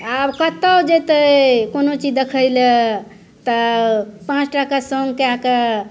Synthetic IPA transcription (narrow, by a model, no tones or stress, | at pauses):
abkət̪əwd͡ʒet̪əkonot͡ʃid͡ʒd̪ekʰəjlə | t̪əpãt͡ʃʈakasəŋɡkeake